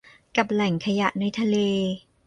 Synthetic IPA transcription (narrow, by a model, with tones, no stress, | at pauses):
ka˨˩p̚lɛ˨˩˦ŋkʰa˧ja˨˩ʔna˧jt̪ʰa˧leː˧